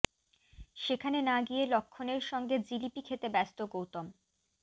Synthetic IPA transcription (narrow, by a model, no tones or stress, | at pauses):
ʃekʰanenaɡielokʰːoneɾʃɔŋɡed͡ʑilipikʰet̪ebɛst̪oɡowt̪om